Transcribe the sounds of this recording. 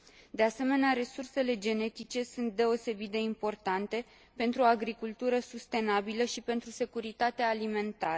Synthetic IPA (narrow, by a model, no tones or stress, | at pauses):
d̪e̞ase̞me̞neaɾe̞surse̞le̞d͡ʒe̞ne̞t̪it͡ʃe̞sunt̪̚d̪e̞o̞se̞bit̪̚d̪e̞impo̞rt̪ant̪e̞ | pe̞nt̪ɾuo̞aɡɾikult̪uɾəsust̪e̞nabiləʃipe̞nt̪ɾuse̞kuɾit̪at̪eaːlime̞nt̪aɾ